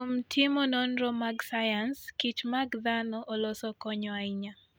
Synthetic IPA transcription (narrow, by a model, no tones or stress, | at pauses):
omtʰimɔnɔnɾɔmaɡsajanskit͡ʃmaɡd̪anɔʔɔlɔsɔkɔɲɔaiɲa